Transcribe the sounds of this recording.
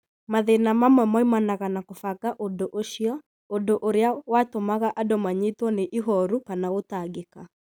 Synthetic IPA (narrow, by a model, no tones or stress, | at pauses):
maðenamamwɛmaimanaɣanakofakaʔondoʔoʃiɔ | ondoʔoɾeawatomaɣaʔadɔmaɲetwɔneʔiɦɔɾukanaotaɡeka